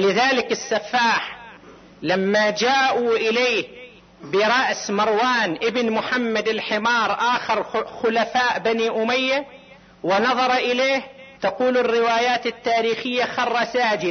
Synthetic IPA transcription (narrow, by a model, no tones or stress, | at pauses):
lɪðaːlɪkɪsːɑfːaːħ | lamːad͡ʒaːʔuʔɪleːh | bɪɾˤɑʔsmɑɾˤwaːnʔɪbnmʊħamːad̪ɪlħɪmɑːɾˤʔaːxɪɾˤxʊlafaːʔbaniʔʊmajːa | wɪnɑðˤɑɾˤʔɪleːht̪aquːlɪrːɪwaːjaːt̪ɪt̪ːaːɾiːxɪjːaxɑrˤːɑsaːd͡ʒɪd̪̚